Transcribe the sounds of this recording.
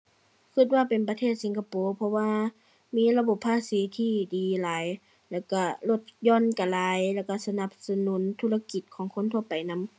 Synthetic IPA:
kʰɯ˧˩t̪̚waː˧˨pe˨npa˧t̪ʰeː˥˩t̪̚si˨˦ŋkʰa˧poː˨˦pʰɔ˧waː˧ | miː˧˥˨la˧bo˧˦pʰːaː˧˨siː˨˦t̪ʰiː˧˩diː˨laː˨˦j | lɛː˧˩wka˧˩lo˧˩t̪̚jɔː˧˨nka˨laː˨˦jlɛː˧˩wka˧˩sa˧na˧p̚sa˧nuː˨˦nt̪ʰuː˧˥˨la˧ki˨˧˩t̪̚kʰɔː˨˦ŋkʰo˧˥˨nt̪ʰu˧ɐpa˨jna˧˥˨m

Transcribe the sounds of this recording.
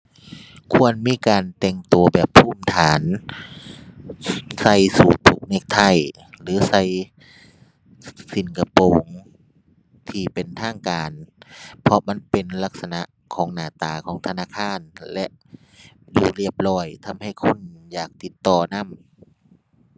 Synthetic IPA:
kʰu˧ənmiː˧˥˨kaː˨nt̪ɛ˧˩ŋt̪u˨˩ɐbɛː˨˩pʰːuː˧˩mt̪ʰaː˨˦n | sa˧˩jsuː˨˩t̪ʰːu˧˩k̚ne˧˩k̚t̪ʰa˧˩j | lɯː˨˦sa˧˥˨j | si˨˧˦nka˧poː˨ŋ | t̪ʰiː˧pe˨nt̪ʰaː˧˥˩ŋkaː˨npʰɔ˧ma˧˥˨npe˨nla˧k̚sa˧na˧ʔ | kʰɔː˨˦ŋnaː˨˧˩t̪aː˨˩kʰɔː˨˦ŋt̪ʰa˧naː˧˥˨kʰaː˧˥˨nlɛ˧ʔ | duː˧˩li˧˩əp̚lɔː˧˩jt̪ʰa˧mha˧˩jkʰo˧˥˨njaː˨˩k̚t̪i˧˦t̪ːɔː˧˩na˧˥˨m

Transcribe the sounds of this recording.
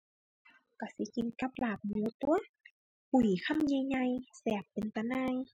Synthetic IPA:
ka˧˩si˧˦ki˧˦nka˧˥p̚laː˧˩p̚mu˨˧˦t̪u˧ɐ | pu˨˩jkʰa˧˥˨mɲa˧jɲa˧jsɛː˧˩p̚ːe˨˩nt̪a˧˦naː˧ŋ

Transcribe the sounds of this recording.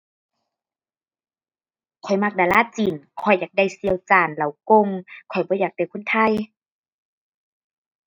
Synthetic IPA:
kʰɔ˨˩jma˧˩k̚daː˨˧˨laː˧˥˨t͡ɕi˨˩nkʰɔ˧˩jːaː˨˩k̚da˧˩˨jsi˧˨ə˨wt͡ɕaː˨˩nla˨˦wko˧˨ŋkʰɔ˨˩jbɔː˧˦jaː˨˩k̚t̪kʰo˧˥˨nt̪ʰa˧˩˨j

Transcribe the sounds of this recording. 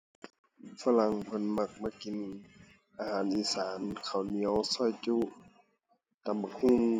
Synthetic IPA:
fa˧˨la˧˦ŋpʰɤ˧˥˨nma˧˩k̚maː˧˨ki˨˦n | ʔaː˧haː˨˦nʔiː˧˨saː˨˦nkʰa˨˩wni˧˦ə˧wsɔ˧˩˨jt͡ɕuː˧˨ | t̪a˨˧˨mba˧˨khu˧˥˨ŋ

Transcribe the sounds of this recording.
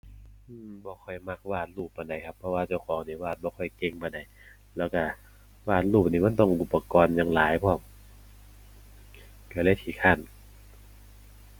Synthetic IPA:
ʔɯː˧mbɔː˧˦xʰɔ˧˩jma˧˥k̚waː˧˩t̪̚luː˧˩p̚ːa˧˩nda˨˩jkʰa˧pʰːɔ˧waː˧t͡ɕa˧˩wkʰɔː˨˦ŋniː˧˩waː˧˩t̪̚bɔː˧˦xʰɔ˧˩jke˧˩ŋma˧˩nda˨˩j | lɛː˧˩wka˧˩ | waː˧˩t̪̚luː˧˩p̚niː˧˩ma˧˥˨nt̪ɔ˧˩ŋʔu˧˩pːa˧kɔː˧njaː˧˩ŋlaː˨˦jpʰɔː˧˩m̚ | ka˧˩la˧˥˨t̪ʰiː˧˩kʰa˧˥˩n

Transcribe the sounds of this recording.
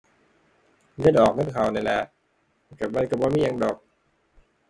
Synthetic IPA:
ɡa˧˥˩ʔɔː˨˩k̚ŋa˧˥˨nkʰaː˨˩wna˧jlaː˧˩˨ | ka˨˩p̚la˧jka˨˩pbɔː˧˦miː˧˥˨ja˧ŋdɔː˨˩k̚

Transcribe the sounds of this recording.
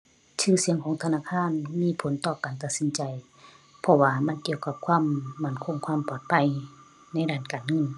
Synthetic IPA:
t͡ɕʰɯː˧˨si˨˦əŋkʰɔː˨˦ŋt̪ʰa˧naː˧˥˨kʰaː˧˥˨nmiː˧˥˨pʰo˨˦nt̪ɔː˧˩kaː˨nt̪a˧t̪̚si˨˧˦nt͡ɕa˨˩j | pʰɔ˧waː˧ma˧˥˨nki˧˨əwka˧p̚kʰwaː˧˥˨mːa˧˩˨nkʰo˧˥˨ŋkʰwaː˧˥˨mpɔː˧˩t̪̚pʰa˧˩j | na˧˥˨jdaː˧˩˨nkaː˨˩nŋɤ˧˥˨n

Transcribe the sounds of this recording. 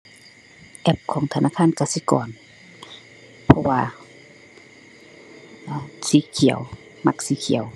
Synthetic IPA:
ʔɛ˧p̚kʰɔː˨˦ŋt̪ʰa˧nʔaː˧˥˩kʰaː˧˥˨nka˧˩si˧˦kɔ̰ː˨˩n | pʰɔ˧waː˧ | ʔːsiː˨˦kʰi˨˩˦ə˦w | ma˧k̚siː˧˦kʰi˨˩˦ə˦w

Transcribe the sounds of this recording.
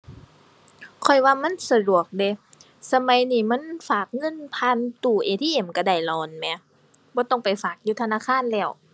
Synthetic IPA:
kʰɔ˨˩jwaː˧ma˧˥˨nsa˧du˨˩ək̚de˧˦ | sa˧ma˧˦jniː˧˩ma˧˥˨nfaː˨˩k̚ŋɤ˧˥˨npʰaː˧˨nt̪uː˧˩ʔeː˧t̪ʰiː˧˨ʔe˧˩mka˧˩da˧˩jlɔː˧˩nmɛ˧˦ | bɔː˧˦t̪ɔ˧˩ŋpa˨˩jfaː˨˩k̚juː˧˦t̪ʰa˧naː˧˥˨kʰaː˧˥˨nlɛː˧˩w

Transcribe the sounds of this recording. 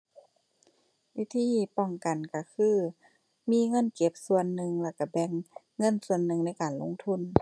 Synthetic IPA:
wi˧˥˨t̪ʰiː˧˥˨pɔ˧˩ŋka˨˩nka˧˩kʰɯː˧˥˩ | miː˧˥˨ŋɤ˧˥˨nke˧˦p̚su˧ənːɯ˧ŋlɛː˧˩ka˧˩bɛ˧ŋː | ɤ˧˥˨nsu˧˨ənːɯ˧ŋna˧˥˨jkaː˨˩nlo̰˧˨ŋt̪ʰu˧˥˨n

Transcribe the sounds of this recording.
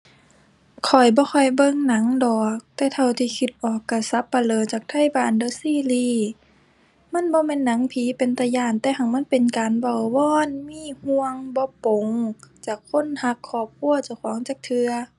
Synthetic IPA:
kʰɔ˨˩jbɔː˧˦xʰɔ˧˩jbɤ˧˨ŋna˨˦ŋdɔː˨˩k̚t̪ɛː˧˩t̪ʰa˧˩wt̪ʰiː˧kʰi˧˦t̪̚ʔɔː˨˩kːa˧˩sa˧˦pːa˧lɤː˨˧˩t͡ɕaː˨˩k̚t̪ʰa˧˥˨jbaː˨˩˨ndoː˧˦siː˧˥˨liː˧˩ | ma˧˥˨nbɔː˧˦mɛː˧˥˨nːa˨˦ŋpʰiː˨˦pe˨nt̪a˧jaː˧˩nt̪ɛː˧ɦa˧˩ŋma˧˥˨npe˨nkaː˨nba˧˩wwɔː˧˥˨nmiː˧˥˨hu˧əŋbɔ˧˦po˨ŋt͡ɕaː˧˩kʰːo˧˥˨nha˧˦kʰːɔː˧˩p̚kʰu˧˥˨ɐt͡ɕa˧˩wkʰɔː˨˦ŋt͡ɕaː˧˩k̚t̪ʰɯ˧ɐ

